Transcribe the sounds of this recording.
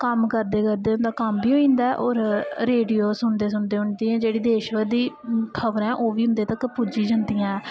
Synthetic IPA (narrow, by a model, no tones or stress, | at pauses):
kəmkəɾd̪eːkəɾd̪eːɦʊ̃nd̪aːkəmbiːɦoːĩːnd̪aɛʔoːɾɾeːɖijoːsʊɳd̪eːs̬ʊɳd̪eːʊɳd̪iːɛ̃ːd͡ʒeːɽiːd̪eːʃʋəd̪iːkʰəbɾɛ̃ːʔoːʋiːɦʊ̃nd̪eːt̪əkpud͡ʒiːd͡ʒənd̪ijãːɛː